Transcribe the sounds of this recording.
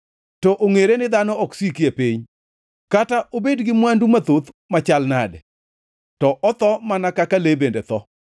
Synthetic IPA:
tɔʔoŋeɾenɪd̪anɔɔksikjepiɲ | kataʔobedɡɪmwandumat̪ot̪mat͡ʃalnadɛ̰ | tɔʔɔt̪ɔmanakakalebendet̪ɔ

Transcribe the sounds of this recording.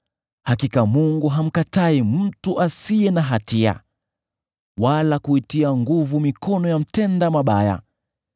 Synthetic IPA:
hakikamuŋɡuɦam̩kataimm̩tuʔasiɛnaɦatia̰ | walakuitiaŋɡuvumikɔnɔjam̩tɛndamaɓaja̰

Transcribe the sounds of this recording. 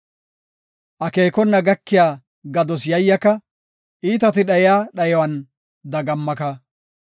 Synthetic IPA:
ʔɐkeːkɔnːɐɡɐkːɪjaː | ɡɐd̪ɔsjɐjːɐkɐ | ʔiːt̪ɐt̪ɪɗɐjɪjaːɗɐjɔwɐn | d̪ɐɡɐmːɐkɐ

